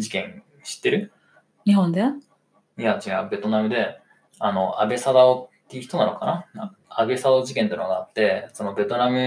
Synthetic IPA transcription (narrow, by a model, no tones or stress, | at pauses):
d͡ʑikẽ̞ŋ̃ | ɕi̥t̪ːe̞ɾɯ̟ | ɲiɦõnd̪e | ijad͡ʑiabe̞t̪o̞namɯ̟d̪e̞ | ano̞ʔa̰be̞sad̪aot̪ːeiɯ̟çi̥t̪o̞nano̞̰kanana | abe̞sad̪aːʑikẽnt̪oinoɡaat̪ːe̞so̞no̞be̞t̪o̞namɯ̟